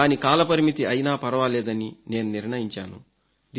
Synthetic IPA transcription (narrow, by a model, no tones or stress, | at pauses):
aːnikaːlɐpɐɾimit̪iɐjnaːpɐɾɐʋaːleːd̪ɐnine̞ːnuniɾɳɐjiɲt͡ʃa̰ːnṵ | d̪